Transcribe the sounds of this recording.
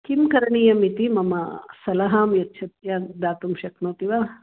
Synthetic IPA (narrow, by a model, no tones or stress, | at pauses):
kimkɐɾɐɳiːjɐmit̪imɐmɐsɐlɐɦaːmjɐtːt͡ʃʰɐt̪jad̪aːt̪umʃɐknoːt̪iʋa